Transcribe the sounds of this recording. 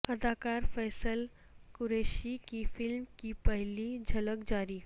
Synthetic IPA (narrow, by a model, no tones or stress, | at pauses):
əd̪akaɾfɛːsəl | kuɾeʃikifɪlmkipəɦlid͡ʑʱələkd͡ʑaɾiː